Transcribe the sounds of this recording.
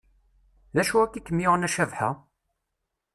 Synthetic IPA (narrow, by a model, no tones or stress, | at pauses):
ðæʃuækːikːəmiʁənæʃævħa̰